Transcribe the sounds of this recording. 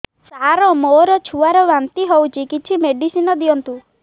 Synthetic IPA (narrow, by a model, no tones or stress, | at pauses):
saɾɔmoɾɔt͡ʃʰuaɾɔʋant̪iɦowt͡ʃʰikit͡ʃʰimeɖisinɔd̪ijɔnt̪u